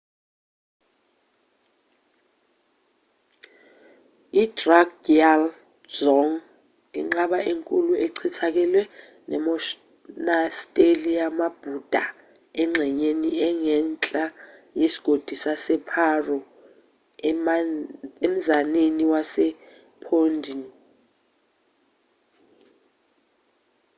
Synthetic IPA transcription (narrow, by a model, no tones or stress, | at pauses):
idraɡdial | d͡ʒɔŋ | ḭŋ͡ǁaɓaʔeŋkʼulueǀʰitʰak̬ɛlwɛ | nɛ̰mɔ | nastʼeliamab̥ʱud̥ʱa | ɛŋ͡ǁʱɛɲeniɛŋɛnt͡ɬʼajesi̥ɡ̥ʱod̥ʱisasɛpʰarɔ | em̩zaneniwasɛ | pʰondʱin